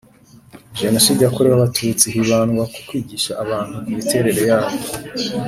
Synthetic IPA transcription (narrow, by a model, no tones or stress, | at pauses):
ʒenosiːdakoɾeβaβatʰut͡siɦiβaːnɡwaku̥kwiːɡiːʃaʔːβaːn̥hukumitʰe̞ɾe̞ɾe̞jaːβo